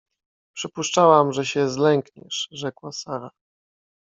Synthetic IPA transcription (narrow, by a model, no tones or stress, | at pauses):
pʂɘpuʂt͡ʂawamʐɛɕɛzlɛŋkɲɛ̰ʂʐɛkwasaɾa